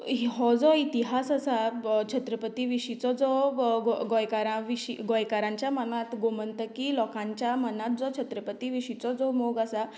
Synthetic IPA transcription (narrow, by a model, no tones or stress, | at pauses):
ɦiɦɔd͡zɔit̪iɦasasat͡ɕʰət̪ɾəpət̪iʋiɕit͡sɔd͡zɔɡɡɔjkaɾãʋiɕiɡɔjkaɾãɲt͡ɕjamənat̪ɡomənt̪əkilɔkãɲt͡ɕjamənat̪̚d͡zɔt͡ɕʰət̪ɾəpət̪iʋiɕit͡sɔd͡zɔmoɡasa